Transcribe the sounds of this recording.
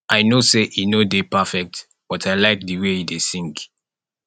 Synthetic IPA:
ʔaɪnoseʔinodepafɛk̚t | b̥ɔtʰaɪlaɪk̚dɨweidesĩŋk

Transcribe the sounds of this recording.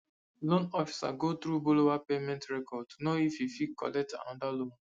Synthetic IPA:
lõnɔfi̥sa̰ɡot̪ɾubolowapemɛ̃ntɹɛkɔd̚tunoififikɔ̰lɛk̚tã̰nɔdalõn

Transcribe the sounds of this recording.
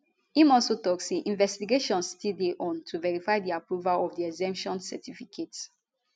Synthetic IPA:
hĩmɔlsotɔkseʔĩnvɛstiɡeʃɔ̃nstideʔɔ̃ntʰuvɛɹifaɪdiapɹuvalɔfdiɛɡzɛ̃mpʃɔ̃nsɛ̰tifikʰets

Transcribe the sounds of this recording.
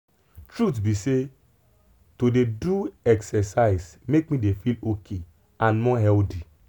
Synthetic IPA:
tɹutbise | todeduɛksɛsaɪsmek̚mĩdefilokʰe | ãnmɔɦɛlti

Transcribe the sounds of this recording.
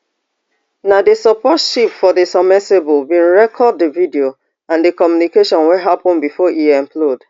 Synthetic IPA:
nadesɔpɔtʃipfɔdesɔmɛsebɔlbĩnɹɛkʰɔd̚ːəvidio | ãndekɔmjunikeʃɔ̃nwɛɦapɔ̃nbifɔʔiɛ̃mplɔd

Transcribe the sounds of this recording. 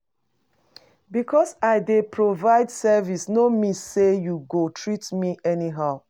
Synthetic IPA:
bikɔsaɪdepʰɹovaɪdsɛvisnomisejuɡotʰɹitmiʔɛniɦaʊ

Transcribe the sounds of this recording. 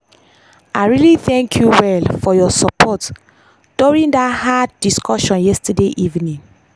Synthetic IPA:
aɪɹiliθɛ̃ŋkʰjuwɛlfɔjɔsɔpʰɔt | d̥uɹĩndathaddiskɔʃɔ̃njɛstədeʔivnĩŋ

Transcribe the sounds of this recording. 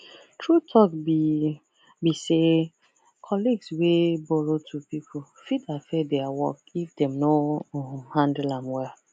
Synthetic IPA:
tʰɹutʰɔki | bise | kʰɔliɡswebɔɾotʰupipʰʊ | fidafedeawɔ̰k̚ifdemno | hãndɪlãmwɛl

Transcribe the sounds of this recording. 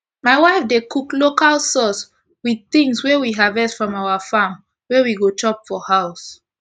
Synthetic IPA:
maɪwaɪfdekʰuklokalsɔs | wið̚θĩŋswɛwiɦavɛstfɹɔ̃maʊafãm | wɛwiɡot͡ʃɔpfɔhaʊs

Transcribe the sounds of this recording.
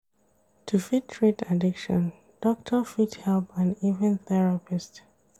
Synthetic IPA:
tʰufitʰɹitadɪkʃɔ̰̃n | d̥ɔk̚tʰəfithɛlˠpãnivɛ̃nθɛɹapist

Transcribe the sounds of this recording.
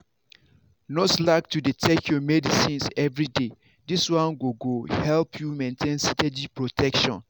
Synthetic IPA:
nɔslaɪk̚tuditʰɛkʰjɔmɛdisĩnsɛvɹide | diswãnɡoɡohɛlpʰjumẽntʰẽnsitɛd͡ʒipɹotʰɛkʃɔ̰̃n

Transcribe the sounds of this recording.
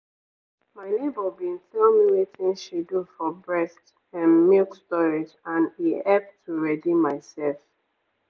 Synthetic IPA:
maɪnebɔbĩntɛlmiwitĩnʃidufɔbɹɛst | ɛ̃nmilkstɔɹid͡ʒãnihɛp̚tʰːuɹɛdimaɪsɛlf

